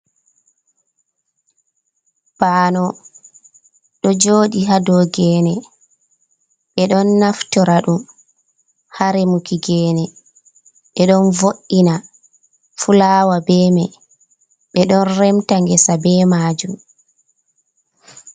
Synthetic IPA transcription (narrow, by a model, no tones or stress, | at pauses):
b̥aːnɔ | ɗɔd͡ʒoːɗiɦadɔɡɛːnɛ | ɓɛɗɔnːaftɔɾaɗum | haɾɛmukiɡɛːnɛ | ɓɛɗɔnvoʔːina | fulaːwabɛːmɛ | ɓɛɗɔnrɛmtaŋɡɛsabɛːmaːd͡ʒum